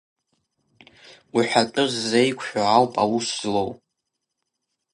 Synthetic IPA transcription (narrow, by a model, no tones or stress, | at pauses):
wiħʷᶣatʼʊzːejkʷʰʼħʷᶣaawpʼawuszlow